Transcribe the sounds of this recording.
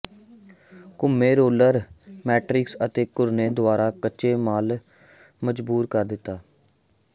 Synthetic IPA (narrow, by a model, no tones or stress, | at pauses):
kʊmːeːɾoːləɾmɛːʈɾɪksət̪eːkʊɾneːd̪ʊaːɾaːkəːt͡ʃeːmaːl | məd͡ʒbuːɾkəɾd̪ɪt̪ːaː